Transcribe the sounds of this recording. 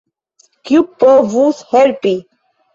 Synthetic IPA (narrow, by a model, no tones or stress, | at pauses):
kjupːɔvushɛɾpi